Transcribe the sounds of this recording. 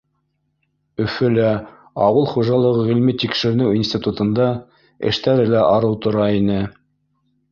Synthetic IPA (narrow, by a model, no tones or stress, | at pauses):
ɵ̆fɵ̆læ | ɑwɤlˠχuʒɑlˠɤ̆ʁɤʁilmit̪ikʃɘ̆ɾ̆nɘwinsʲt̪ʲit̪ut̪ɤ̆nd̪ɑ | ɘ̰̆ʃt̪æɾɘlæʔɑɾɤwt̪ŏɾɑinɘ